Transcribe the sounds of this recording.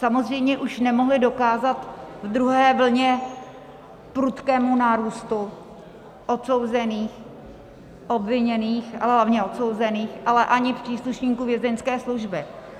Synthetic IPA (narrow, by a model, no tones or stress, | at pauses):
samo̞zr̝ɛjmɲɛʔuʃnɛmoɦlɪdo̞kaːzat̪vd̪ɾuɦɛːvl̩ɲɛ | pɾut̪kɛːmunaːɾuːst̪u | ʔo̞t̪so̞wzɛniːx | ʔo̞bvɪɲɛniːxalɛɦlavɲɛo̞t̪so̞wzɛniːxʔalɛʔaɲɪpr̥iːsluʃɲiːkuvjɛzɛnskɛːsluʒbɪ